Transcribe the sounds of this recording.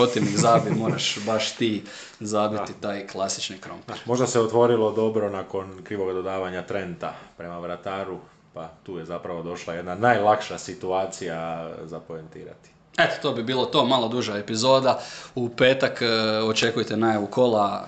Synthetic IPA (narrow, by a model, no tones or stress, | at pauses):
ot̪iʋnizaːbimo̞ːɾaʃbaʃt̪iː | zaːbiit̪aːjklˠasi̥t͡ʃnikɾo̞̰mpeɾmo̞ʒd̪aseot̪ʋo̞ɾilˠo̞d̪o̞bɾo̞nako̞nkɾiːʋo̞ɡad̪od̪aːʋaɲat̪ɾe̞nt̪apɾemaʋɾat̪aːɾu | pat̪uːjezapɾaʋo̞d̪o̞ʃlˠaje̞d̪nanajlˠakʃasit̪uaːt̪sijazapoent̪ḭːɾa̰t̪i̥ | e̞t̪o̥t̪o̞ːbibiːlˠo̞t̪o̞ːmalod̪uʒae̞pizo̞ːd̪aupe̞ːt̪akot͡ʃe̞kujt̪enajaʋuko̞lˠa